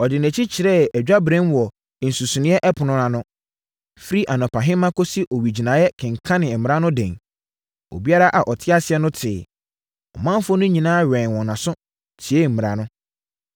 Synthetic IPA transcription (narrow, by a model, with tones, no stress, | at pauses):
ɔ˨dɪ˨næ̃˨t͡ɕʰi˦t͡ɕʰɪ˨ɾɛ˦æ˨d͡ʑᶣa˦bɾɛ̃˦nwɔ˨ | n̩˨su˨su˨nɪ̃˦ɛ˦ʔɛ˦pʰʊ˨nʊ̃˦ɾã˨nʊ̃˦ | fi˦ɾi˦ʔa˨nɔ̃˨pʰa˨ɦɪ̃˦mã˦kʰo˦si˦ʔɔ˨wɥi˨d͡ʑi˨nã˨jɛ˦kʰɪ̃˨ŋ˨kʰã˦nɪ̃˨mɪ̃˨ɾã˦nʊ̃˦dɛ̃˨n | o̰˨bi˦a˦ɾa˦ʔa˨ʔɔ˨tʰɪ˦a˦sɪ˨ɛ˦nʊ̃˦tʰɪː˨ | ɔ̰˨mã˦m˦fʊ˦nʊ̃˦ɲĩ˨nãː˦ɥɛ̃˨nwɔ̃˨nã˨sʊ̃˦ | tʰi˨e˦m̩˨m̃˨ɾa˨nʊ̃˦